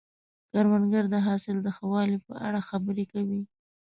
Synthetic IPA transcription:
kaɾwanɡaɾd̪əɦɑsɪld̪əxawɑlipə̰ʔa̰ɽaxabəɾekawi

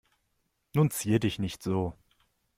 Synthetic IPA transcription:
nuːnt͡siːədɪçnɪçtz̥oː

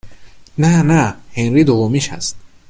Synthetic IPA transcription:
nænæhenɾiːd̪ovomiʃæ̰st̪̚

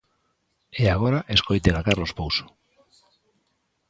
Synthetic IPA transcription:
eaɣoɾaʔeskojt̪eɣakarlospowso̥

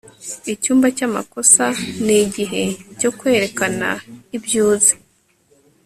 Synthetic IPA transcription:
icuːmbacama̰kosaniɟiɦe̞co̞kwe̞ːɾe̞kana̰ibjuːze̥

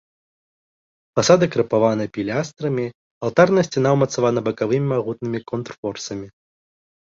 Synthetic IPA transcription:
fasad̪ɨkɾɐpavanɐpʲilʲast̪ɾɐmʲi | alˠt̪arnɐsʲt͡sʲanawmɐt̪savanɐbɐkavɨmʲimaɣut̪̚nɨmʲikɔnt̪rfɔrsɐmʲi

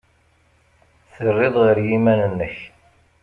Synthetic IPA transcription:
θərːɪðˤʁəɾjimænənːəç

